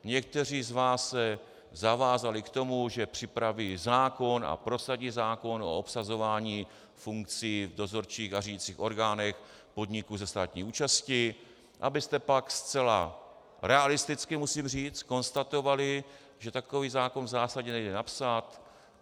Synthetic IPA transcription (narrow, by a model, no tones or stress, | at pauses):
ɲɛk̚t̪ɛr̝iːzvaːsːɛ | zavaːzalɪkt̪o̞muʒɛpr̝̥ɪpɾaviːzaːko̞na̰pɾo̞saɟiːzaːko̞no̞̰opsazo̞vaːɲiː | fuŋkt͡siːvdo̞zo̞ɾt͡ʃiːxariɟit͡siːxo̞ɾɡaːnɛx | po̞dɲɪkuzɛst̪aːt̪ɲiːuːt͡ʃascɪ | ʔa̰bɪst̪ɛpakst͡sɛla̰ | ɾɛalɪst̪ɪt͡skɪmusiːmriːt͡sko̞nst̪at̪o̞valɪ | ʒɛt̪ako̞viːzaːko̞nvzaːsaɟɛnɛjdɛnapsat̪